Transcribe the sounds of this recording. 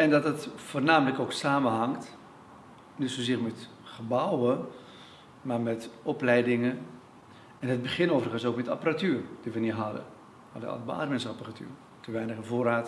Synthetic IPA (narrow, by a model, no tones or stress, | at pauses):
ɛndɑtdətfoːrnaːmələkowksaːmənɦɑŋt | nitsozɪːrmɛt | χəbʌwə | marmɛtɔplɛjdɪŋə | ɛnɦəd̚bəχɪnoːwvərəχənsowkmɛta̰pəratyːrd̥iʋəniɦɑdə̰ | ɑ̰də̰ɑ̰ləba̰dəmɛnsapəratʰy̰ːr | təʋɛjnəχəvoːɾaːt